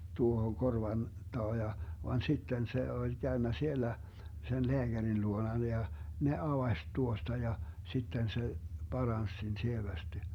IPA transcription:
tuohoŋ korʋɑn tɑː jɑ ʋɑn sitːen se olʲ ɡ̊æønːæ sielæ sen leæɡ̊ærin luonɑn jɑ ne ɑʋɑsʲ tuostɑ jɑ sitːen se b̥ɑrɑns sen sieʋæsti

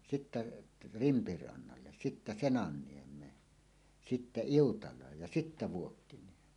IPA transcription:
sitːæ rimpirɑnːɑlːe sitːæ senɑnːiemˑeːn sitːæ iutɑlˑɑːj jɑ sitːæ ʋuokːiniemˑeːn

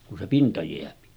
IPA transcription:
ku se pintɑ jeæpi

